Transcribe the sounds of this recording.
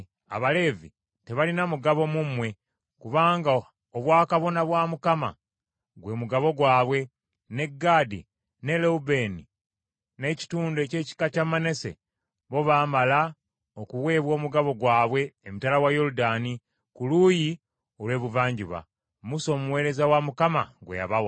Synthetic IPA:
a̰βale̞ːvi | te̞βalinamuɡaβo̞mumwe̞ | kuβaːŋɡa | oβwaːkaβo̞naβwaːmukama̰ | ɡwe̞ːmuɡaβo̞ɡwaːβwe̞ | ne̞ɡːaːdḭ | ne̞leube̞ːni | ne̞ci̥tuːndoece̞ːci̥kacamane̞sḛ | βo̞βaːmala | okuwe̞ːβwo̞ːmuɡaβo̞ɡwaːβwe̞ːmutalawajo̞ludaːni | kuluːji | olwe̞ːβuvaːɲɟiβa̰ | muso̞ːmuwe̞ːɾe̞zawamukama̰ɡwḛja̰βawa

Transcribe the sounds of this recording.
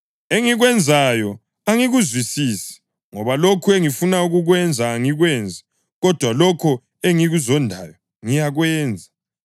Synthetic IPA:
eŋiɣwɛnd͡zʱajɔ | aŋiɣuzwisiːsi̥ | ŋɔβalokʰueŋifunauɣuɣwɛnd͡zʱaːŋiɣwɛnd͡zʱḁ | ɣɔd̥ʱwalɔkʰɔ | eŋiɣuzɔndʱa̰jɔ | ŋijaɣwɛːnd͡zʱa

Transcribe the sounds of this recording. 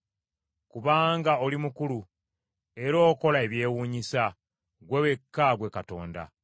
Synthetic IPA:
kuβaːŋɡao̞limukulu | e̞ɾo̞ːko̞lae̞βje̞ːwuːɲisa | ɡwewe̞kːaɡwe̞kato̞̰ːnda̰

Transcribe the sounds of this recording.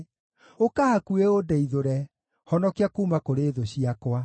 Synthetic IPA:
okahakueodɛiðoɾɛ | hɔnɔkeakuːmakoɾeðoɕiakwa

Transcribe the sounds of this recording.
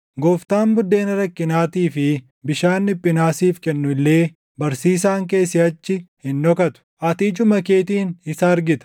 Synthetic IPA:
ɡɔːft̪aːmbʊd̪ːe̞ːnɐɾɐkːɪnaːt̪iːfɪ | bɪʃaːnːɪpʼːɪnaːsiːfkɛnːʊɪlːe̞ː | bɐɾsiːs̬aːŋke̞ːsɪɐt͡ʃːɪhɪnːɔkɐt̪ʊ̥ʔɐt̪iːt͡ʃʼʊmɐke̞ːt̪iːnɪsɐːɾɡɪt̪ɐ̥

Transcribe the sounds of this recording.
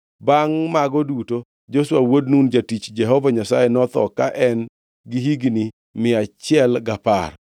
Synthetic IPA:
baŋmaɡɔduto | d͡ʒoswawodnund͡ʒatit͡ʃd͡ʒɛɦɔvaɲasajenɔt̪ɔ̰kaʔɛn | ɡiɦiɡni | mɪat͡ʃɪɛlɡapa̰r

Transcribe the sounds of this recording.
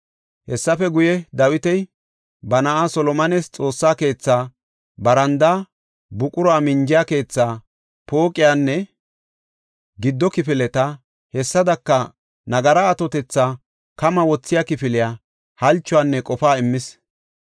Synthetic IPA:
hɛsːɐfɛɡʊjɛd̪ɐwɪt̪ɛj | bɐnɐʔasɔlɔmɐnɛst͡sʼo̞ːsːaːke̞ːt͡sːaː | bɐɾɐnd̪a | bʊkʼʊɾɔaːmɪɲd͡ʒɪjake̞ːt͡sːaː | po̞ːkʼɪjaːnːɛ | ɡɪd̪ːɔkɪfɪlɛt̪ɐ | hɛsːɐd̪ɐkːɐ | nɐɡɐɾaːt̪ɔt̪ɛt͡sːaː | kɐmɐwɔt͡sːɪjakɪfɪlɪjaː | hɐlt͡ʃːʊaːnːɛkʼɔfaːɪmːɪs

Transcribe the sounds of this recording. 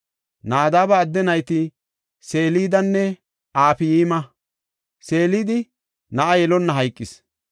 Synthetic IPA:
naːd̪aːbɐːd̪ːɛnɐjt̪ɪ | seːliːd̪ɐnːɛ | aːpɪjiːmɐ | se̞ːliːd̪ɪ | nɐʔɐjɛlɔnːɐɦɐjkʼːɪs

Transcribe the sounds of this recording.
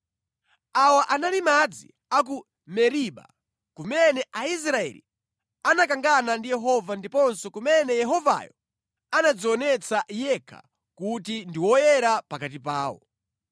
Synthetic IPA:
awaʔanalimad͡zḭ | ak̬u | mɛɾiɓa̰ | kumɛnɛʔais̬ɾaɛ̰lḭ | anakaŋɡanandijɛɦɔvandipɔnsɔkumɛnɛjɛɦɔva̰jɔ | anad͡zɔɔnɛt͡sajɛkʰa̰ | kutindiwɔjɛɾapakat̬ipaːwɔ̰

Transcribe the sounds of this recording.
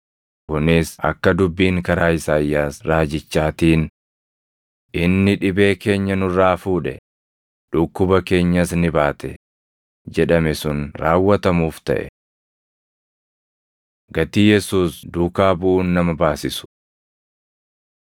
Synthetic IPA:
kʊnɪsɐ̰kːɐd̪ʊbːiːŋkɐɾaːɪsaːjːaːsɾaːd͡ʒɪt͡ʃːaːt̪iːn | ʔɪnːɪᶑɪbe̞ːke̞ːɲːɐnʊraːfuːᶑɛ̰ | ᶑʊkːʊbɐke̞ːɲːɐsnɪbaːt̪ɛ | d͡ʒɛᶑɐmɛsʊnɾaːwːɐt̪ɐmuːft̪ɐ̰ʔɛ̰ | ɡɐt̪iːjɛsuːsd̪uːkaːbʊʔuːnːɐmɐbaːsɪsʊ̥

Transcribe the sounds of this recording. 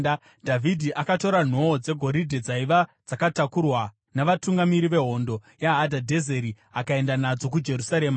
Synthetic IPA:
dʱavʱidʱiʔakato̞ɾan̤o̞d͡ze̞ɡʱo̞ɾidʱe̞d͡zaiʋad͡zakatakurwa | naʋatuŋɡamiɾiʋe̞ɦo̞ndo̞ | jaɦːdʱadʱe̞zeɾi | akae̞ndanad͡zo̞k̬ud͡ʒe̞rusaɾe̞ːma

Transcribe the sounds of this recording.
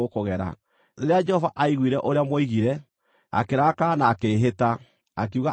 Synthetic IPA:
okoɣɛɾa̰ | ɾeɾead͡ʒɛhɔvaʔaiɣwiːɾɛʔoɾeamwɔiɣiɾɛ | a̰keɾaːkanaːkeːɦeta | ak̬iuɣa

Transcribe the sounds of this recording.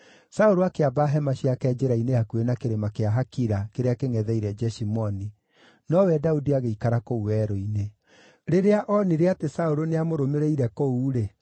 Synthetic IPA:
saoɾoakeabaɦɛmaɕiakɛd͡ʒeɾaineakuenakeɾemakeaɦakiɾakeɾeakeŋɛðɛiɾɛd͡ʒɛʃimɔni | nɔwɛdaudiaɣeikaɾakouwɛːɾɔine | ɾeɾeaʔɔniɾeatesaoɾoneamoɾomeɾeiɾɛkouːɾe

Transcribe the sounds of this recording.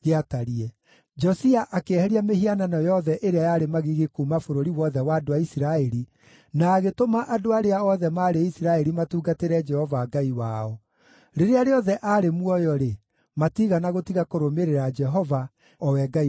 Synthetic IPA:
ɣeataɾiɛ | d͡ʒɔsiaʔakehɛɾiameɦiananɔjɔðɛʔeɾeajaɾemaɣiɣekumafoɾoɾiwɔðɛwaːdoaisiɾaɛɾi | naːɣetomaʔadoaɾeaɔðɛmaːɾeisiɾaɛɾimatuːɡateɾɛd͡ʒɛhɔvaːɡaiwaːɔ | ɾeɾeaɾeɔðɛʔaɾemwɔjɔɾe | matiɣanaɣotiɣakoɾomeɾeɾad͡ʒɛɦɔva | ɔwɛɡa

